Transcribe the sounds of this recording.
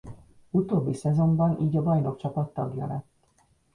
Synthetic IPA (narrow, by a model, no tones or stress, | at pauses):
ut̪oːbːisɛzo̞mbɒnʔiːɟɒbɒjno̞kt͡ʃɒpɒt̪ːɒɡjɒ̰lɛt̪ː